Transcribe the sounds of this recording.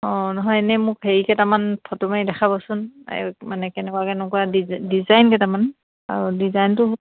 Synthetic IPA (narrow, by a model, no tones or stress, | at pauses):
ɔ̃nɔɦɔjnɛmʊkheɹikɛtamanpʰɔtɔmajdɛxʰabɔsʊnɛ̰manɛkɛnɛkwakɛnɛkuadidizajnkɛtaman | a̰ɹudizajntʊ